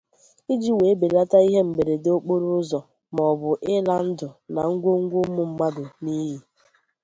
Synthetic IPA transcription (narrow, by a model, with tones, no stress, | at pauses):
i˦d͡ʒi˦we˨˦be˨ɾa˦ta˦i˦ɦe˦m̩˨be˨ɾe˨do˦k͡po˦ɾʊ˦zɔ˨ | m˨ɔ˨bʊ˨ʔɪ˦la˦n̩˦dʊ˨na˨ŋ̩˦ɡʷo˦ŋ̩˦ɡʷo˦mʊ˦m̩˦ma˦dʊ˨ni˦ɦi˨